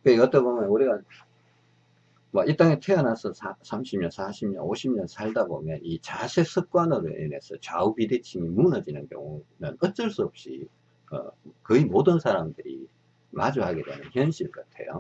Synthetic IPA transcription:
keʌt͈ʌbomjʌnuɾiɡa | mait͈aŋetʰweanasʰʌsʰasʰamɕʰimɲʌnsʰaɕʰimɲʌnoɕʰibɲʌnsʰaɭdabomjʌnit͡ɕasʰe̞sʰɯk͈wanʌɾɯ̰ḛne̞̰sʰʌt͡ɕaubidet͡ɕʰiŋimunʌd͡ʑinɯnkjʌ̰ŋumjɯnʌt̚t͡ɕ͈ɯɭs͈uʌp̚ɕ͈ḭ | ʌ̰kɯimodɯnsʰaɾamdɯɾḭ | ma̰d͡ʑuɦaɡe̞dwenɯnçjʌnɕʰiɭk͈ɯtʰe̞̰jo̰

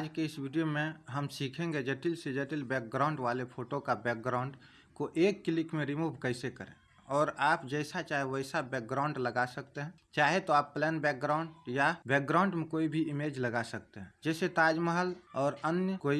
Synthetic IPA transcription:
aːd͡ʒkeɪsʋiɖijomẽɦəmsiːkʰẽŋɡed͡ʒeʈilsed͡ʒəʈilbɛːk̚ɡɾaːʊ̃ɳɖʋaːlepʰoːʈokabɛːk̚ɡɾaʊ̃ɳɖ | koʔeːkːɪlɪkmẽɾɪmuːbʱkəɪsekəɾḛ̃ː | ɔːɾaːpd͡ʒɛɪsat͡ʃaːɦeʋəɪsabɛːk̚ɡɾaʊ̃ɳɖləɡasək̚t̪eɦɛ̃ | t͡ʃaːɦet̪oaːpːlɛːnbɛːk̚ɡɾaʊ̃ɳɖjabɛːk̚ɡɾaʊɳɖmẽkoːibʱiɪmeːd͡ʒləɡasək̚t̪eɦɛ̃d͡ʒɛːset̪aːd͡ʒməɦəlɔːɾənjəkoːi

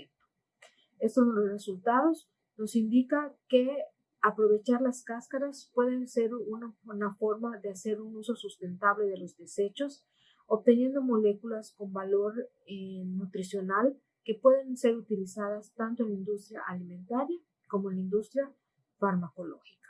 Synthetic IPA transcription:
ent̪o̥ | est̪ollosresult̪aðo̞s | no̞sind̪ikake | apɾo̞βe̞t͡ʃaɾlaskaskaɾaspwe̞ðe̞nse̞ɾunanafo̞ɾmaðease̞ɾunuso̞sust̪e̞nt̪aβle̞ðe̞lo̞zd̪ese̞t͡ʃo̞s | op̚t̪e̞nje̞nd̪o̞mo̞le̞kulasko̞mbalo̞ɾ | enut̪ɾisjo̞nal | ke̞pwe̞ðe̞nse̞ɾut̪ilisaðast̪ant̪onlaind̪ust̪ɾja̰ʔalimẽnt̪aɾja | ko̞moenlaind̪ust̪ɾja | faɾmako̞lo̞̰xi̥kḁ

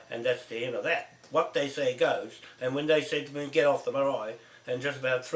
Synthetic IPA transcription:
ʔɨ̰̃nðætsðiɛ̃nʌðɨt̚ | wʌt̪̚ðeɪseɪɡoʊzɨ̃nwɨ̃nðeɪsed̚mĩɡɛɾɔfðəmə˞aɪ | ɨ̃nd͡ʒʌstəbaʊt̪̚θ

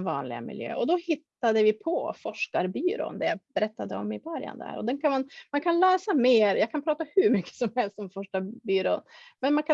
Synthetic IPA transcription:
vɑ̰ːnlɪ̰ɡa̰mɪ̰ljø̰ːʔɔd̪ɔhɪt̪ːad̪əvɪpʰɔfɔʂkaɾbyːɾo̰ːnd̪ɛjabɛɾɛt̪ːad̪əɔmːɪbœɾja̰nd̪æ̰ɾɔ̰d̪ɛnkʰanmanmankʰanlɛːsameːɾjɑːɡkʰanpɾɑːt̪ahɵɾmʏkːə̥sɔmhɛlst̪sɔmfɔʂkabyːɾoːnmɛnmankʰa

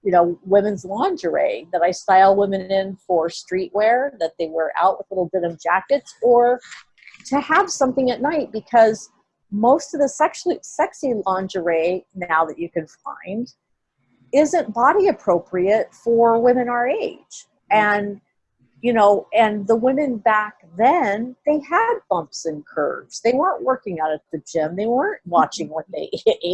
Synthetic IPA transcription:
jɨnoʊwɪ̃mɨ̃nzlɑ̃nd͡ʒə˞ḛɪðɨɾaɪstaɪlˠwɪ̃mɨ̃nɪ̃nfə˞stɹ̥iʔwɛɹðɨt̪̚ðeɪwə˞ʔa̰ʊʔ̚wəðlɪɾl̩ˠbɪɾʌ̃vd͡ʒækɨtsə˞ | tʰɨəv̥sʌ̃mθɪ̃ŋɨtⁿnaɪt̚b̥ɨkʰʌz | moʊstʌvðɨsɛkʃlisɛksilɑ̃nd͡ʒə˞eɪnaʊðɨt͡ʃɨkɨ̃nfã̰ɪ̃nd | ɪzɨ̃nb̥ɑɾiɨpʰɹ̥oʊpʰɹiɨt̚fə˞wɪ̃mɨ̃nə˞eɪd̥d͡ʒ̥ | ɨ̃n | jɨnoʊɨ̃nðəwɪ̃mɨ̃nbæk̚ðɨ̃nðeɪəd̚b̥ʌ̃mpsɨ̃nkʰɜ̰˞dd͡ʒðeɪwɜ̃˞nʔwɜ˞kɪ̃ŋəɾɨt̪̚ðɨd͡ʒɪ̃mðeɪwɜ̃˞nʔwɑt͡ʃɪ̃ŋwʌt̪̚ðeɪʔ̚

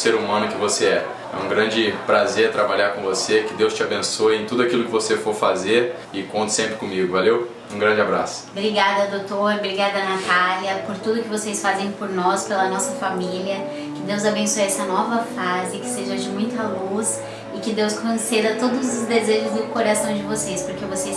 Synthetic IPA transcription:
seɾumɐ̃nʊkɪvoseɛ | ɛ̰ũɡɾɐ̃d͡ʒɪpɾazeɾt̪ɾabaʎaɾkõvosekɪd̪ewst͡ʃɪabẽsoɪẽt̪ud̪ʊakilʊkɪvosefoɾfazeɾ | ɪkõnt̪ʊsẽmpɾɪkõmiɡʊvalew | ũɡɾɐ̃d͡ʒɪabɾa̰sʊ̥bɾiɡad̪ɐd̪owt̪oɾɐbɾiɡad̪ɐɐnat̪aljɐpoɾt̪ud̪ʊkɪvosejsfazẽj̃poɾnɔspelɐnɔsɐfamiliɐ | kɪd̪ewzabẽsuɛsɐnɔvɐfazɪkɪ̥seʒɐd͡ʒɪmũj̃t̪ɐlus | ɪkɪd̪ewskõsed̪ɐt̪od̪ʊzʊzd̪ezeʒʊzd̪ʊkoɾasɐ̃w̃d͡ʒɪvosespoɾkevoses

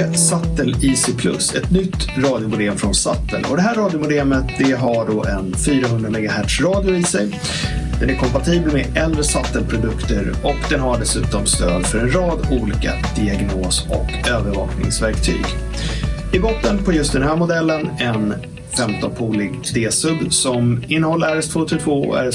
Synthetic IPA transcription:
sat̪ːəliːsɪpʰlɵ̰sɛt̪nʏt̪ːɾɑːd̪jʊmʊd̪eːmfɾɔnsa̰t̪ːə̰lʔɔ̰d̪ɛɦæːɾɑːd̪jʊmʊd̪eːmət̪d̪ɛɦaɖoːʔɛnfyːɾaɦɵnd̪ɾamɛɡaɦæʈʂɾɑːd̪jʊɪsɛj | d̪̥ɛnæɾkʰɔmpat̪ʰiːbəlmɛɛld̪ɾɛsat̪ːəlpʰɾʊd̪ɵkt̪əɾ | ɔkd̪ɛnɦaɖɛsʉ̟ːt̪ɔmst̪øːd̪fœɾɛnɾɑːd̪uːliːka̰d̪̥ɪaɡnoːsɔ̰køːvəɾvɑ̰ːknɪ̰ŋsvæɾkt̪ʰy̰ːɡ | ɪbɔt̪ːənpʰɔjɵst̪̚d̪ɛnɦæːɾmʊd̪ɛlːənɛn | fɛmt̪ɔnpʰuːlɪɡ̪ʰ | d̪eːsɵd̪sɔmɪnːəhɔlːəɾæɾɛst̪ʰvoːt̪ʰɪɡt̪ʰvoːɔ̰æ̰ɾɛ

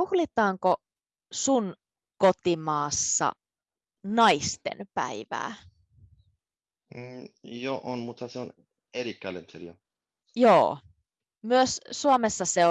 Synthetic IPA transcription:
uhlit̪ɑːŋko | sun | kot̪imɑːsːɑ̰ | nɑist̪ḛnpæ̰iʋæ̰ː | joʔonmut̪ʰːɑseon | eɾikːælḛnt̪ʰeɾjo | joː | myøssuomesːɑseo

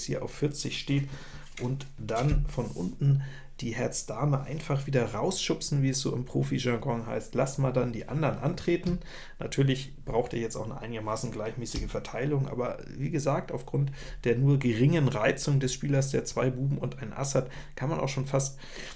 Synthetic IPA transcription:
shiːɐʔa̰ʊfːɪɐt͡sɪçʃteːt | ʔʊntd̥anfɔnʔʊ̰ntn̩ | d̥iːhɛɐt͡sd̥aɐməʔa̰ɪnfaχv̥iːdɐʁaʊsʃʊpsn̩viːɛsz̥o̰ːɪmpʁ̥oːfiʒaɡɔŋɦa̰ɪstlasmaːldandiːʔa̰ndɐnʔa̰ntʁ̥eːtn̩ | na̰tʰyːɐlɪç | b̥ʁaʊxtḛːɐjɛt͡staʊxnə̰ʔa̰ɪnɪɡɐmaːsn̩ɡlaɪçmɛːsɪɡəfɛɐtʰaɪlʊŋʔa̰ːbɐ | viːɡəzaːk̚taʊfɡ̥ʁʊnt | d̥eːɐnuːɐɡəʁɪŋənʁaɪt͡sʊŋdɛsʃpiːlɐsd̥eːɐt͡sv̥aɪbuːbm̩ʊntʔaɪnʔa̰sat | kʰanmanʔa̰ʊxʃoːnfast

